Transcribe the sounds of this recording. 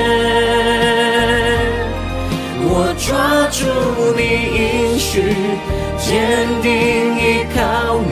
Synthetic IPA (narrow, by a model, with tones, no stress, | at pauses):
wɔ˨˩ʈ͡ʂwa˥ʈ͡ʂu˥˩u˧li˧i˦ŋʂy˨ | t͡ɕjɛ˦nt̪i˧ŋi˧kʰa˧ʊ